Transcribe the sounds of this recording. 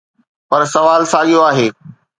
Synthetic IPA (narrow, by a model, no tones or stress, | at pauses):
pɐɾsɐʋaːlsaːɠijoaːɦeː